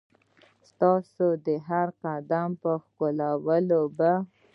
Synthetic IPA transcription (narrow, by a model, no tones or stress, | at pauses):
st̪ɑsod̪əɦaɾqad̪ampəxkolawəloba